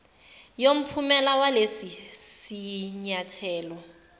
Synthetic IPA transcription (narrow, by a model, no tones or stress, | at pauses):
jom̩pʰumɛlawalesisiɲatʰɛːlɔ